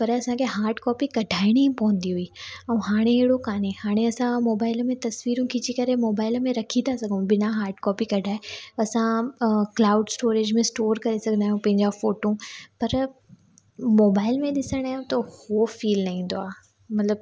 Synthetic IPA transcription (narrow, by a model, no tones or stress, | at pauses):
pɐɾɐsãkʰeɦaːɾʈkɔːpikɐɖʱaːɪɽ̃iĩpɐɦə̃nd̪iɦʊiɛ̃ɦaːɽ̃eɦeɦɽokaːnehaːɽ̃eɐsãmoːbaːɪlmẽt̪ɐsʋiːɾũkʰid͡ʑikɐɾemoːbaːɪlmẽɾɐkʰit̪ʰasɐɡ̪ʱũbɪnãɦaːɾʈkɔːpikɐɖʱaːeɐsãklaːʊɖsʈoːɾeːd͡ʑmẽsʈoːɾkɐɾesɐɡʱənd̪aːjũpɐ̃ɦɪ̃ɲd͡ʑafoːʈõpɐɾ | moːbaːɪlmẽɗɪsəɽ̃aːɦjũt̪ɐhofiːlnɐɦĩːnd̪oa̰ː | mɐt̪ləb̚